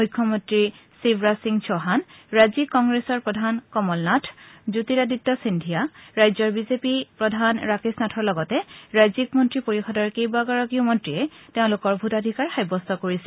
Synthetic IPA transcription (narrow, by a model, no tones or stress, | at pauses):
mujkʰːɔmɔntɹi | sibɹasiŋsʰɔɦanɹazikːɔŋɡɹesɔɹpɹɔdʱankɔmɔlnatʰzutiɹaditːɔsindʱijaɹajzɔɹbizepipɹɔdʱanɹakisnatʰɔɹlɔɡɔtɛɹajzikmɔntɹipoɹixɔdɔɹkejbaɡɔɹɔkiumɔntɹiɛteʊ̃lʊkɔɹbʱutadʱikaɹxajbɔstɔkoɹisɛ